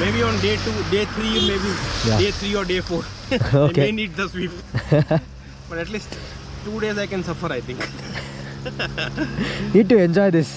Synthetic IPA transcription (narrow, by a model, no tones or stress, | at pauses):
meːbiɔ̃nɖeːʈuːɖeːt̪ʰɾimeːbijaɖeːt̪ʰɾiːɔːɾɖeːfoːɾ | oːkeeniːɖ̚d̪əsʋiːp | b̥ʌʈɛʈliːsʈ | ʈuːɖeːzaɪkɛ̃nsʌfəɾaɪt̪ʰɪ̃ŋk | niːɖ̚ʈuɛ̃nd͡ʒɔɪd̪ɪs